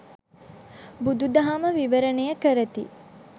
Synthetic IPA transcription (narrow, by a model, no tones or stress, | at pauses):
bud̪ud̪ɐɦaməʋiʋəɾənejəkəɾət̪ḭ